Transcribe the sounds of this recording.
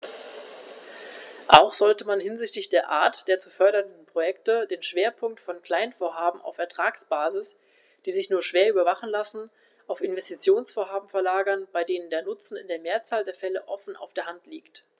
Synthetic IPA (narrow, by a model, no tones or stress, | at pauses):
ʔa̰ʊxz̥ɔltəmanhɪnzɪçtlɪçd̥eːɐʔaːɐtd̥eːɐt͡sufœɐɾɐndn̩pʁ̥ojɛktədeːnʃv̥eːɐpʰʊŋk̚tfɔnkl̥aɪnfoːɐɦaːbm̩ʔa̰ʊfɛɐtʁ̥aːksb̥aːzɪs | d̥iːzɪçnuːɐʃv̥eːɐʔyːbɐvaχn̩lasn̩ | ʔaʊfɪnvɛstit͡sjoːnsfoːɐɦaːbm̩fɛɐlaːɡɐnb̥aɪdeːnəndeːɐnʊt͡sn̩ɪ̰ndeːɐmeːɐt͡saːldeːɐfɛləʔɔfn̩ʔa̰ʊfd̥eːɐɦantliːkt